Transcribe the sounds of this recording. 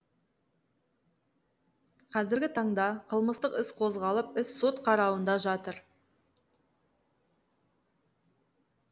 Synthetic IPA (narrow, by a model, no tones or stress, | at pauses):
qʰɑzɪɾɡʲɪt̪ʰɑɴd̪ɑqʰəlˠməst̪əqɪsqʰo̞zʁɑlˠəpɪsːo̞t̪qʰɑɾɑwənd̪ɑʒɑt̪əɾ